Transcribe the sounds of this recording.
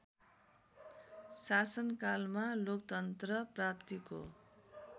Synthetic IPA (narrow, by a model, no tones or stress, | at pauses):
sasʌnkalmalok̚t̪ʌnt̪rʌprapt̪iko̰